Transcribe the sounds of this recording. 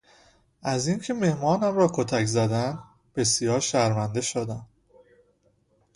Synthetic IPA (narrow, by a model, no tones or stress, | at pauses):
ʔæzincʰe̞me̞hmɒːnæmɾɒːkʰot̪ʰæczæd̪ænd̪ | b̥e̞sijɒːɾʃæɾvænd̪e̞ʃod̪æn